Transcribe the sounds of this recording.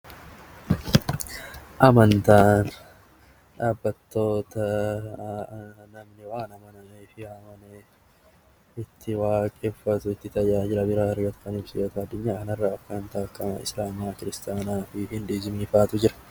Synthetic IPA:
ʔɐmɐnt̪aːn | ᶑaːbːɐt̪ːo̞ːt̪ɐ | nɐmnɪwaːnɐmɐnɐeːfɪaːmɐneː | ɪt̪ʰːɪwaːkʼɛfːɐt̪ʊɪt̪ːɪt̪ɐjaːd͡ʒɪɾɐbɪɾaːɐɾɡɐt̪ʊ̥kɐniːfsɪjoːt̪ɐɐd̪ːʊɲːaːkɐnɐrːaːɐkːɐnt̪aːkːɐɐ̰ɪ̰slaːmaːkɪɾɪst̪aːnaːfɪhɪnd̪eːd͡ʒɪmiːfaːt̪ʊd͡ʒɪɾɐ̥

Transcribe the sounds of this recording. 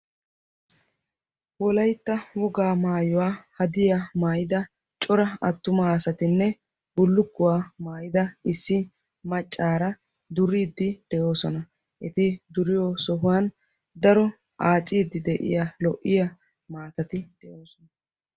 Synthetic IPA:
wɔlɐjt̪ːɐwɔɡaːmaːjɔwaːhɐd̪ɪjamaːjɪd̪ɐ | t͡ʃʼɔɾɐɐ̰t̪ːʊmaːsɐt̪ɪnːɛ | bʊlːʊkːʊwaːmaːjɪd̪ɐɪsːɪ | mɐt͡ʃʼːaːɾɐ | d̪ʊɾiːd̪ːɪd̪̥ɛʔo̞ːsɔnɐ | ʔɛt̪ɪd̪ʊɾɪjoːsɔɦʊwɐn | d̪ɐɾɔ | ʔaːt͡ʃʼiːd̪ːɪd̪ɛʔɪ̰jalɔʔɪjɐ | maːt̪ɐt̪ɪd̪̥ɛʔoːsɔnɐ

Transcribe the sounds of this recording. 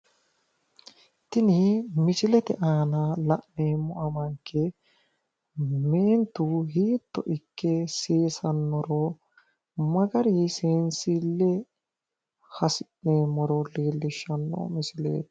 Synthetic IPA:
t̪ɪnɪmɪsɪlɛt̪ɛʔaːnɐlɐʔneːmɔʔɐmɐŋkːɛ | ment̪ːuɦiːt̪ːɔ̰ʔɪkːɛseːsɐnːɔɾɔ | mɐɡɐɾiseːnsɪlːɛ | hɐsɪʔneːmɔɾɔliːlːɪʃɐnːɔ̰mɪsɪlḛːt̪

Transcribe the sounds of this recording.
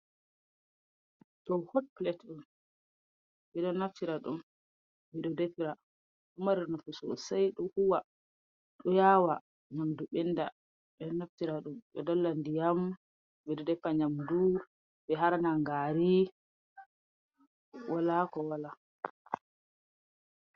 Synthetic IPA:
ɗɔhotplɛtɗum | bɛɗɔnaftiɾaɗṵm | bɛɗɔdɛfiɾa | ɗɔmaɾiɾnɔfusɔ̰sajɗɔhuwa | ɗɔjawa | ɲamduɓɛnda | ɓɛɗɔnaftiɾaɗumɓɛdɔlːandijam | bɛɗɔdɛfaɲamduɾ | bɛɦaɾanaŋɡaɾi | wʔalakɔwala

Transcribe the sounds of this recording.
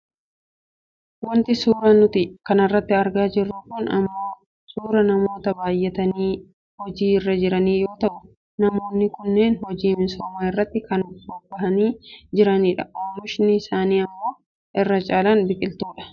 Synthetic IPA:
wɐnt̪ɪsuːɾɐnʊt̪ɪkɐnɐrːɐt̪ːɪɐɾɡaːd͡ʒɪrːuːkuːnɐ̰mːo̞ː | suːɾɐnɐmo̞ːt̪ɐbaːjːɛt̪ɐniː | hɔd͡ʒiːɪrːɐd͡ʒɪɾɐniːjo̞ːt̪ɐʔʊ | nɐmo̞ːnːɪkʊnːeːnhɔd͡ʒiːmɪnsoːmaːɪrːɐt̪ːɪkɐnbobɐɦɐniːd͡ʒɪɾɐniːᶑɐoːmʊʃnɪɪsaːniːɐmːo̞ː | ʔɪrːɐt͡ʃʼaːlaːnbɪkʼɪlt̪uːᶑɐ̥

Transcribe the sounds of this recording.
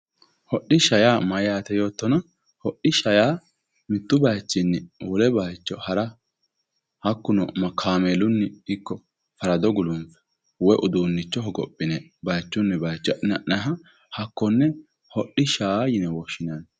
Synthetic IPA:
hɔɗɪʃɐjaːmɐjaːt̪ɛjo̞ːt̪ːɔnɐ | hɔɗɪʃɐjaː | mɪt̪ːʊbɐjt͡ʃːɪnːɪwɔlɛbajt͡ʃːɔhɐɾɐ | hɐkːʊnɔ̰mɐkʰaːmeːlʊnːɪɪkːɔ | fɐɾɐd̪ɔɡʊlʊmfɛ̥ | wɔjʔʊd̪uːnːɪt͡ʃːɔɦɔɡɔ̰pʼːɪnɛ | bɐjt͡ʃːʊnːɛbɐjt͡ʃːɔʔɪnɐʔnɐɦɐ | hɐkːɔnːɛ | hɔɗːɪʃaːjɪnɛwɔʃɪnɐn

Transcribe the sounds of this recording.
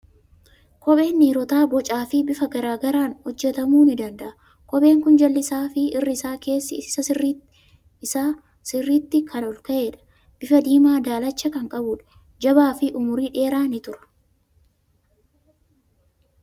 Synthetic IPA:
kʼɔɓe̞ːnːiːɾɔt̪aːbɔt͡ʃʼaːfɪbɪfɐɡɐɾaːɡɐɾaːnhɔd͡ʒːɛt̪ɐmuːnɪd̪ɐnd̪ɐʔɐ | kɔɓe̞ːŋkʊnd͡ʒɐlːɪsaːfɪɪrːɪɪsaːke̞ːsːɪsɐsɪr | ɪsaː | sɪrːiːt̪ːɪkʰɐnɔlkɐʔe̞ːᶑɐ̥ | b̥ɪfɐd̪iːmaːd̪aːlɐt͡ʃːɐkɐŋkʼɐbʊᶑɐ̥ | d͡ʒɐbaːfɪʔʊmʊɾiːᶑe̞ːɾaːnɪt̪ʊɾɐ̥

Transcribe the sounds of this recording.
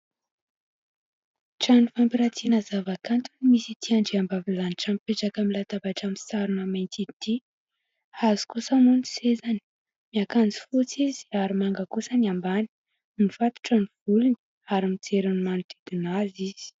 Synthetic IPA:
ʈ͡ʂanifampiɾat͡sinazavakant̪unimisit̪ʰiaɳɖ͡ʐiambavilaniʈ͡ʂampeʈ͡ʂakəmilat̪abaʈ͡ʂamisaɾunamajnt̪it̪i | azi̥kusəmunsezani̥ | miakand͡zi̥fut͡sizi̥aɾimaŋɡəkusənambani̥ | nifat̪u̥ʈ͡ʂəniv̥uluni̥ | aɾimit͡seɾanimanut̪iɡinaziz̥i̥

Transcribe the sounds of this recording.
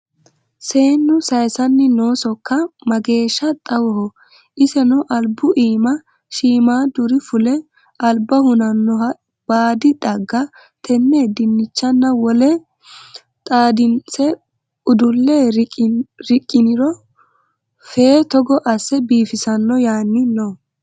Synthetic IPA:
se̞ːnːʊsɐjsɐnːɪnoːsɔkːɐmɐɡe̞ːʃːɐt̪ʼɐwɔhɔ | ʔɪsɛnɔʔɐlbʊʔiːmɐ | ʃiːmaːd̪ʊɾɪfʊlɛ | ʔɐlbɐhʊnɐnːɔɐ | b̥aːd̪ɪt̪ʼɐɡːɐ | t̪ʰɛnːeːd̪ɪnːɪt͡ʃːɐnːɐwɔlɛ | t̪ʼaːd̪ɪnsɛ | ʊd̪ʊlːeɾɾɪkʼːɪnɪɾɔ | feːt̪ɔɡɔʔɐsːɛbiːfɪsɐnːɔjaːnːɪnɔ

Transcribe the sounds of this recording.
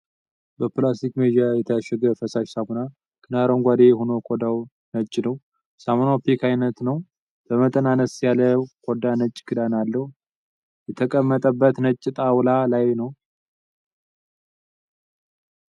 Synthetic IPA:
bəplast̪ikmed̪ijajɛt̪ʰəjaʃːɛɡəfəsaʃsamona | kʰɨnaɾoŋɡʷad̪ejɛhonokʰʼod̪aw | nət͡ʃʼːnəw | samonapikʰajnət̪nəw | b̥əmət̪ʼənanəsjaləkʼod̪anət͡ʃʼːkʰɨd̪analːəhu | jɛt̪ʰəkʼəmːət̪ʼəbːət̪nət͡ʃʼːɪt̪ʼawlalajnəw

